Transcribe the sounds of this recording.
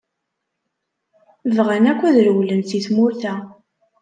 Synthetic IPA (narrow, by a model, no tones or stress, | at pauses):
vʁənækʷːæðɾwlənθiθmʊɾθæ